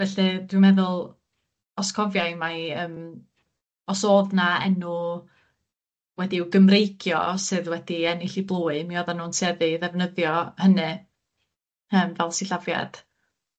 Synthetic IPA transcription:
vɛɬɨd̥wɪmɛðʊlˠ | ɔskʰɔvjajmaəːm | ɔsoːðnaɛ̰nʊ | wɛdiɪwɡəmrejkʰjɔ̰sɨðwɛd̥iɛnɪɬiblˠuːɨmiɔðanuːnsɛðɨðɛvnəðjɔhənɨ | əːmvɛlˠsiɬavja̰d̥

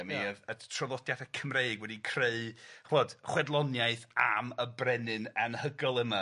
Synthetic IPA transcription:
miəətʰrɔðˠɔdjaθəkʰəmreɨɡwɛdikʰr̥eɨχwɔd̥χwɛdlˠɔnjaɨθa̰məbrɛnɨnənhəɡɔlˠəma

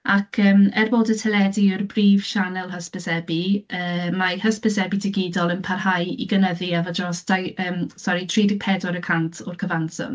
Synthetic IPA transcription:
akʰəːmɛrboːdətʰɛlɛdiərbriːv̥ʃanɛlˠɦəspɛsɛbiəːmahəspəsɛbidɪɡɪdɔlˠənpʰarhajḭɡənəðiavɔdrɔsd̥ajəːmsɔɾitʰriːdɪ̥pʰɛdɔɾəkʰantʰɔrkʰəvansɔ̰m

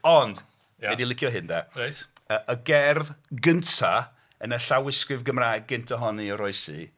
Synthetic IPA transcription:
ɔnd̥ | ɛdilˠɪkʰjɔɦɪndɛt | əʔəɡɛrðɡəntʰa | ənəɬawɪskrɪvɡəmrajɡ̚ɡɪntʰɔɦɔniɔɾɔɨsḭ

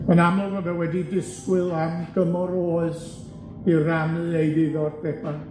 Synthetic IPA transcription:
mənamɔvɔvɛwɛdidɪskwɨlˠamɡ̥əmɔɾoːɨs | iramɨejðɪðɔd̚b̥ɛban

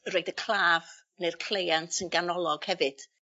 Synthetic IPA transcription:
roɨdəkʰl̥ˠaːv | nejrkʰl̥ejantənɡanɔlˠɔɡ̥hɛvɨd̥

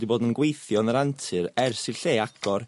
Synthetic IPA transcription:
diboːdənɡwejθjɔnəɾantʰɨɾɛrsɪɬeːakɔr

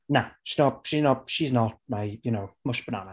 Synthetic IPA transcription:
naʃiznɔt̚ʃiznət̚ʃiznət̚maɪjənoʊmʊʃb̥əna̰na

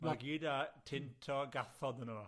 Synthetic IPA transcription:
maɡiːdatʰɪntʰɔɡaθɔdənoː

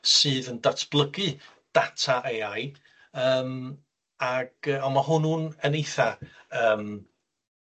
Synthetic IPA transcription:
sɨːðəndatʰb̥lˠəɡɨ | d̥atʰaʔejaj | əːm | aɡ̥əɔnmahʊnuːnənejθaəːm

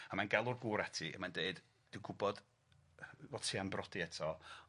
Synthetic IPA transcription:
amanɡɛlˠʊrɡuːɾɛtʰiə̰mandeɨd̥ | d̥ɪwŋɡʊbɔd̥ | vɔ̥tʰiːanbrɔdiɛtʰɔ

